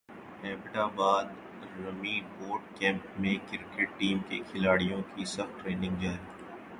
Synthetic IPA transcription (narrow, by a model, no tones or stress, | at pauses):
ɛːbʈaːbaːd̪ | ɾɐmiboːɾɖkɛ̃ːmpmẽkɪɾkeʈʈiːmkḛkʰɪlaːɽijõkisɐxʈʈɾeːnɪ̃ŋɡd͡ʒaːɾiː